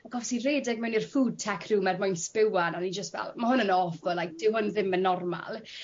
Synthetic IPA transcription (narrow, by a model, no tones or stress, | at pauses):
aɡ̥ɔfsireːdɪɡ̚mɛwnirfuːd̚tʰɛkʰr̥uːmɛrdmʊjnspɪwananid͡ʒəstvɛ̰lˠmahʊnənɔvɔlˠajk̚d̥ɪwɦʊnðɪmənːɔrma̰lˠ